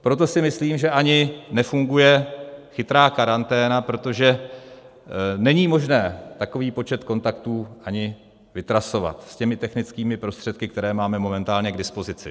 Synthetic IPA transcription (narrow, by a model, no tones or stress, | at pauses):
pɾo̞t̪̬o̞sɪmɪsliːmʒɛʔaɲɪnɛfuŋɡujɛxɪt̪ɾaːkaɾant̪ɛːnapɾo̞t̪o̞ʒɛ | nɛɲiːmo̞ʒnɛːt̪ako̞viːpo̞t͡ʃɛt̪ko̞nt̪akt̪uːʔaɲɪ | vɪt̪ɾaso̞va̰t̪scɛmɪt̪ɛxnɪt͡skiːmɪpɾo̞st̪r̥ɛt̪̚kɪkt̪ɛɾɛːmaːmɛmo̞mɛnt̪aːlɲɛɡdɪspo̞zɪt͡sɪ̰